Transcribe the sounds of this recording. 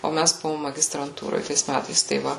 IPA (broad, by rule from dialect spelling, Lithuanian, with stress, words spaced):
oː ˈmʲæs ˈbʊʋoːm mɐɡʲɪstrɐnˈtuːroːj ˈtɐɪs ˈmʲætɐɪs tɐɪ ˈʋɐ